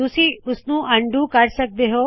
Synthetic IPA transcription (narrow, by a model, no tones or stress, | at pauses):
usiʊsnũːʔɐ̃ɳɖũkɐɾsɐk̚d̪eɦoː